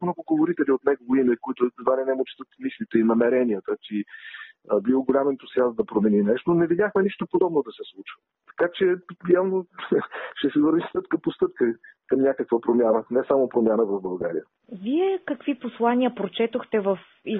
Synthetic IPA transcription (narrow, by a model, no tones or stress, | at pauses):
mnɔɡʊɡovoɾit̪ɛlʲiot̪nɛɡovoimɛkoit̪ʊd̪vaninɛmot͡ʃt̪ət̪mislʲit̪ɛinɐmɛɾɛniət̪ət̪i | əbioɡolʲamɛnt̪osiazd̪ɐpɾomɛninɛʃt̪onɛvid̪ʲjaxmɛniʃt̪opod̪ɔbnod̪ɐsɛslˠut͡ʃvə | t̪ɐ̥kat͡ʃɛjavno | ʃt̪ɛsɛvəɾvist̪ɤp̚kəpost̪ɤp̚kəkəmnʲakəkvəpɾomʲjanənɛsamopɾomʲjanəvɐvbɐlˠɡaɾḭjə | viɛkɐkviposlˠanʲiəpɾot͡ʃɛt̪oxt̪ɛvəf | i